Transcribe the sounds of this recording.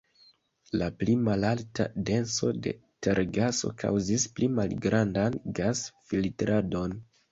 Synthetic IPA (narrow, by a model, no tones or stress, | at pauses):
laplimalalta̰de̞nso̞̰de̞̰teɾɡaso̞̰kʰa̰wzisplʔimalɡɾandanɡasfiltɾʔado̞n